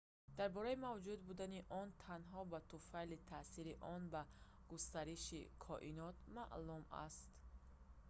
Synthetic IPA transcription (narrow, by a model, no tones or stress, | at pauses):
d̪̥aɾbɔɾaimavd͡ʒud̪bud̪aniʔɔnt̪ʰanɦɔbat̪ufalit̪ʰasiɾiʔɔnba | ɡ̥ust̪aɾiʃḭkʰɔʔinɔt̪ma̰ʔluma̰st̪